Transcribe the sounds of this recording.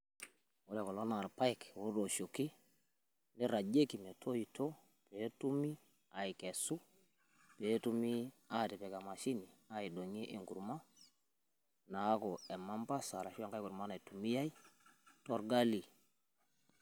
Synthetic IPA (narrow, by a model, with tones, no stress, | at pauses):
wo˦ɾa˨kɔ˨lɔ˦na˨ɾpa˦jkwo˦ɾo˨ʃo˨kːi˦ | ne˦ɾa˨d͡ʒe˦ki˨mɛ˨tʰo˦i˨tʰo˦ | pe˨˦tu˦mi˦ | a˨i˨kɛ˨su˦ | pe˨˦tu˦mi˦ | a˦ti˨pɛ˨ka˨ma˨ʃi˦ni˨a˦i˨do˨ɲi˦ʔe˨ŋɡṵ˨ɾma˦ | na˨˦kɔ˨ɛ˨ma˦mba˦sa˨ɾa˨ʃi˦a˦ŋka˦jku˨ɾma˦na˨tu˨mi˦ja˦i˦tɔ˦ɾɡa˦li˨